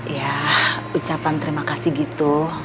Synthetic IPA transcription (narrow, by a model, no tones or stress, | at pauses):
jaut͡ʃapant̪əɾimakasiɡit̪u